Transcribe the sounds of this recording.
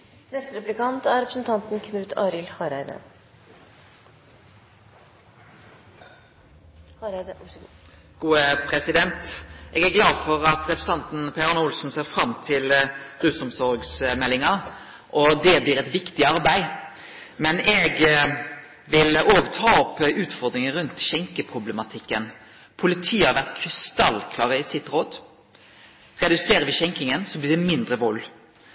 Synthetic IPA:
nɛst̪ɾɛplɪkɑnt̪æɾɛpɾəsn̩t̪ʰɑnt̪n̩kʰmʉːt̪ʰɑːɾɪlhɑɾæɪd̪ə̰ | ɡ̥uːəpʰɾɛsɪd̪ɛnt̪ʔɛːɡæɡlɑːd̪fɔɾɑt̪ɾɛpɾs̩t̪ɑnt̪n̩pʰeɾɑnʊlsn̩seːɾfɾɑmːt̪ʰɪlɾʉːsɔmsɔɾɡsmɛlːɪŋɑ | ʔɔd̪ɛbliːɾɛt̪ʋɪkt̪ɪɑɾbæɪ | mɛnɛɡ | ʋɪloːɡt̪ʰɑːɔpːʉːt̪fɔɾd̪ɾɪŋəɾʉnt̪ʃɛŋkəpʰʁʊblɛmɑt̪ʰɪkːən | pʰʊlɪt̪ʰiːəhɑɾʋæʁt̪kʰɾɪst̪ɑlːkʰlɑːʁəɪsɪt̪ɾoːd̪ | ɾɛd̪ʉseːɾəʋɪçɛŋkɪŋənsɔmbliːd̪ɛmɪnd̪ɾəʋɔlː

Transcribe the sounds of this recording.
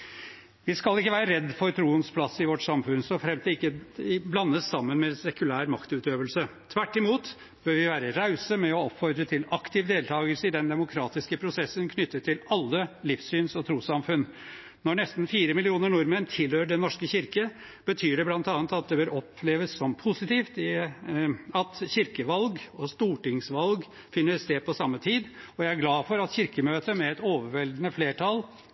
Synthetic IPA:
ʋɪskɑlɪkːəʋæːɾəɾɛd̪ːfɔɾt̪ʰɾuːənspʰlɑsɪʋɔʈsɑmfʉnsɔɔfɾɛmt̪ɪkːəblɑnːəsɑmːənmɛsɛkʉlæːɾmɑkt̪ʉːt̪øːʋəlsət̪ʰʋæʈːɪmuːt̪ | b̥øːɾʋɪʋæːɾəɾaʉsəmɛɔɔpfɔɾd̪ɾət̪ʰɪlɑkt̪ʰɪːʋd̪eːlt̪ʰɑːɡəlsəɪd̪ɛnd̪ɛmʊkʰɾɑːt̪ɪskəpʰɾʊsɛsːənkʰnʏt̪ːət̪ʰɪlɑlːəlɪfsyːnsɔt̪ʰɾuːsɑmfʉn | nɔɳɛst̪n̩fiːɾəmɪlɪuːnəɾɳʊɾmənt̪ʰɪlhøːɖɛnːɔʂkəçɪɾkə | b̥ət̪ʰyːɖɛblɑnt̪ɑːnt̪ɑt̪̚d̪ɛbøːɾɔpleːʋəsːɔmpʰʊsɪt̪iːft̪ɪ | ɑt̪çɪɾkəʋɑlɡɔst̪uːʈɪŋsʋɑlɡ | fɪnːəst̪eːd̪̚pʰɔsɑmːət̪ʰiːd̪ɔjæɪæɾɡlɑːfɔɾɑt̪çɪɾkəmøːt̪əmɛɛt̪oːʋəɾʋɛld̪nəfleːʈʰɑl

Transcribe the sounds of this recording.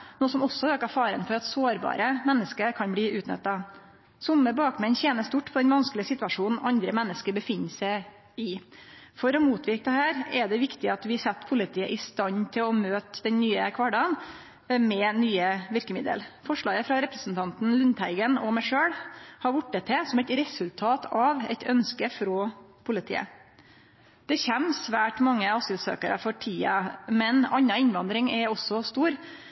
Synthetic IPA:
nuːsɔmɔsːɔøːkɑfɑːɾənfɔɾɑt̪soːɾbɑ̰ːɾəmɛnːəskəɾkʰɑnbliːʔʉːt̪nœ̰t̪ːɑ | sʊmːəbɑːkmɛnçeːnəst̪ʊʈːpʰɔd̪ɛnʋɑnskəlɪəsɪt̪ʉʋɑʂuːnn̩ʔɑnd̪ɾəmɛnːəskəɾbəfɪnːəsæɪ | ɪfɔɾɔmuːt̪ʰʋɪɾk̚d̪ɛhæːɾɛd̪ɛʋɪkt̪ɪɑt̪ʋɪsɛt̪ːpʰʊlɪt̪ʰiːə̰ʔɪst̪ɑnːt̪ʰɪlɔmøːt̪d̪ɛnnyːəkʰʋɑɖɑn | mɛnyːəʋɪɾkəmɪd̪ə̰lfɔʂɭɑːɡəfɾɑɾɛpɾəsn̩t̪ʰɑnt̪n̩lʉnt̪ʰæɪɡənɔmæʂøːɽhɑɾʋʊʈːət̪ʰːɛsɔmɛt̪ɾɛsʉlt̪ʰɑːt̪ʰɑʋɛ̰t̪œnskəfɾɔ | pʰʊlɪt̪ʰḭːə̰ | d̪̥ɛçɛmsʋæːʈmɑŋːəɑsɪlsø̰ːkəɾə̰fɔʈʰiːɑmɛnɑɲːɑɪnʋɑnd̪ɾɪŋɛɔsːɔst̪uːɾ

